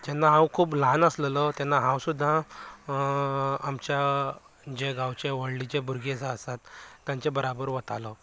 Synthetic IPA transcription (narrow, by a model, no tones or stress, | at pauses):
d͡ʑanːaɦãwkʰuːplanəslelət̪janːaɦãwsud̪ʱːã | mt͡ɕja | d͡ʑeɡãwt͡ɕeʋəɽlit͡ɕebʱuɾɡet͡səsat̪ːjaɲt͡ɕebəɾabəɾʋət̪alə